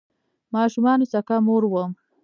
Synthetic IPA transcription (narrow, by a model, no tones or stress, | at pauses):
mɑːʃumɑnosakamoɾwəm